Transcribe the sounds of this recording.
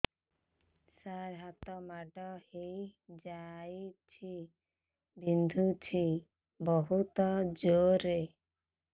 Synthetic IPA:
saɾɦat̪ɔmaɖɔhejd͡ʒajt͡ʃʰi | bind̪ʱut͡ʃʰi | bɔɦut̪ɔd͡ʒoɾe

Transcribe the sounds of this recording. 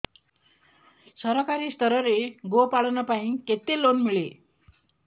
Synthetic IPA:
sʌɾʌkaɾist̪ʌɾʌɾeɡopaɽnʌpaĩket̪elonmiɭe

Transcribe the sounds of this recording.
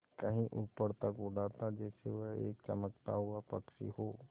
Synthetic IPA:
kəɦĩʔuːpəɾt̪əkʊɖaːt̪ad͡ʒɛːseʋəɦḛːk̚t͡ʃə̰məkt̪a̰ɦuapɐkʃḭɦoː

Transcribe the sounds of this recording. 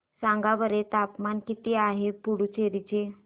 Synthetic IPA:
sãŋɡabəɾet̪apmankit̪iaɦepuɽut͡ɕeɾit͡ɕe

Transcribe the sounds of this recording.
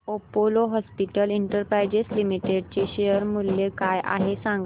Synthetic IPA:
opoloɦɔspiʈəliɳʈəɾpɾajd͡ʑeslimiʈeɖt͡ɕeɕejəɾmuljekajʔa̰ɦesaŋɡ

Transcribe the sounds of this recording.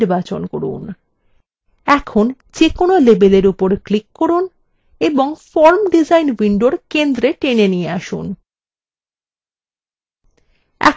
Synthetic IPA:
ɾbat͡ɕonkoɾṵn | ɛkʰon | d͡ʑekonolebeleɾupoɾklikːoɾun | eboŋfɔɾmɖid͡ʑajnbiɳɖoɾkend̪ɾeʈenenijeaʃṵn | ɛ̰

